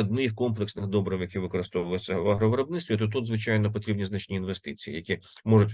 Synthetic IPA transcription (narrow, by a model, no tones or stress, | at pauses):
ɐd̪̚nɪxkɔmplˠeksnɪxd̪ɔbɾɐwjɐkʲiʋɪkɔɾɪst̪ɔʋʊjɪt͡ssʲːɐʋɐɦɾɔʋeɾɔbnɪtst̪ʋʲit̪ɔt̪̬ut̪zʋɪt͡ʃajnɔp̬ɔt̪ɾʲibnʲiznɐt͡ʃnʲiːnʋest̪ɪt͡sʲiḭjɐkʲimɔʐʊtʲ